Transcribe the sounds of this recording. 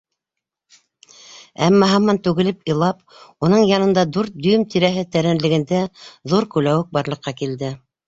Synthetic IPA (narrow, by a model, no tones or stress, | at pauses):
æmːɑɦɑmːɑnt̪ʉɣɘ̆lɘpɤ̆lˠɑp | unɤɴjɑnɤ̆nd̪ɑd̪ʉɾt̪̚d̪ɵ̆jɵmt̪iɾæɦɘt̪æɾænlɘ̆ɡɘ̆nd̪æðuɾkʉlæwɘk̚bɑɾlˠɤ̆qːɑkild̪ɘ